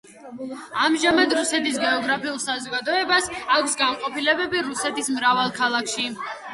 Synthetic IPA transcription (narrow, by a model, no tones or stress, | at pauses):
amʒamad̪ɾusɛt̪is̬ɡɛɔɡɾapʰiulˠsazɔɡad̪ɔɛbasakʰʷsɡamqʼɔpilɛbɛbiɾusɛt̪ʰismɾavalˠkʰalˠakʰʃi